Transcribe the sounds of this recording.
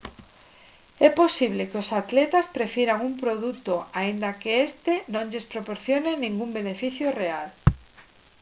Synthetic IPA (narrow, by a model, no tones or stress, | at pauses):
ɛposiβ̞lekɪosat̪lɛt̪aspɾefjiɾaŋumpɾoðut̪oaind̪akeest̪enõŋʎespɾopoɾθjonenĩŋɡumbenefiθjoreal